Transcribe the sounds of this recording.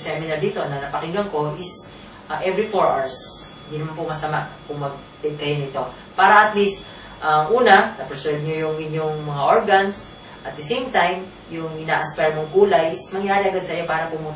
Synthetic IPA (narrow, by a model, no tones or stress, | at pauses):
sɛmɪnɐɹd̪iːt̪o̞nɐnɐpɐkɪŋɡɐŋko̞ʔɪs | ʔɛvɾifoɹʔa̰ɹsnd̪inɐmanpʊmɐsɐmakʊŋmɐɡ̚ | t̪ɛk̪ɐjonɪt̪o̞ | paːɾɐʔɐt̪list̪̚ | ʔɐŋʔuːnɐnɐpɹsɛɹv̚ɲojʊŋʔɪɲjoŋmɐŋaʔoɹɡɐns | ʔɐt̪̚d̪ɐsejmt̪ajm | jʊŋɪnaːʔɐspɛɹmoŋʔuːlɐjɪsmɐŋjaːɾɪɐɡad̪̚sɐjo̞paːɾɐpʊmuː